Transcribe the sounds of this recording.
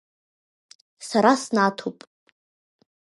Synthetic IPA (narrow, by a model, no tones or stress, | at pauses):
saɾasnatʰopʼ